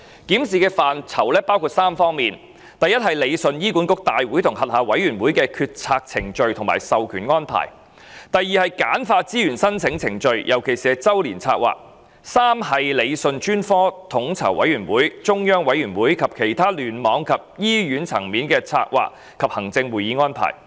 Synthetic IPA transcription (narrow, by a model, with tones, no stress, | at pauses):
kiː˨˥msiː˨kɛː˧faː˨nt͡sʰɐ˨˩wlɛː˥paː˥wkʰuː˧t̚saː˥mfɔː˥ŋmiː˨n | t̪ɐ˨jɐ˥t̚hɐ˨˩jle˨˧jsɵ˧njiː˥kuː˨˥nkʊ˥k̚t̪aː˨jwuː˨˥jt̪ʰʊ˨˩ŋhɐ˨t̚haː˨˧wɐ˨˥jɥyː˨˩nwuː˨˥jkɛː˧kʰyː˧t̚t͡sʰaː˧k̚t͡sʰɪ˨˩ŋt͡ʃɵ˨˧ɥt̪ʰʊ˨˩ŋma̰ː˨˩jsɐ˨wkʰyː˨˩nŋɔː˥npʰa̰ː˨˩j | t̪ɐ˨jiː˨˧hɐ˨jkaː˨˥nfaː˧t͡siː˥jyː˨˩nsɐ˥nt͡sʰɪ˨˥ŋt͡sʰɪ˨˩ŋt͡ʃɵ˧ɥjʔɐ˨˩wkʰe˨˩jsiː˨ɛ˧t͡sɐ˥wliː˨˩nt͡sʰa̰ː˧k̚wa̰ː˨˩k̚ | saː˥mhɐ˨jle˨˧jsɵ˧nt͡ʃyː˥nfɔː˥t̪ʰʊ˨˥ŋt͡sʰɐ̰˨˩wʔɐ̰˨˥jɥyː˨˩nwuː˨˥jt͡sʊ˥ŋjœː˥ŋwɐ˨˥jyː˨˩nwuː˨˥jkʰɐ˨p̚kʰe˨˩jt̪ʰaː˥lyː˨˩nmɔː˨˧˥ŋkʰɐ˨p̚jiː˥jyː˨˥nt͡sʰɐ˨˩ŋmiː˨˥nkɛː˧t͡sʰa̰ː˧k̚wa̰ː˨˩k̚ | kʰːɐ˨p̚hɐ˨˩ŋt͡sɪ˧ŋwuː˨˩jiː˨˧ŋɔː˥npʰa̰ː˨˩j